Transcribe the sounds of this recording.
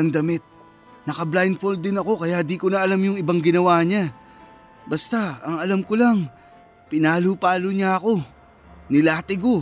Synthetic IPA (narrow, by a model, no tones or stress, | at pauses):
ɐŋd̪ɐmɪt̪̚ | nɐkɐblajnfold̪ɪnɐko̞kɐjad̪ikonɐʔɐlamjʊŋɪbaŋɡɪnɐwaːɲa | bɐst̪aɐŋɐlamkolaŋ | pɪnaːlupaːloɲaɐko̞ | nɪlaːt̪ɪɡo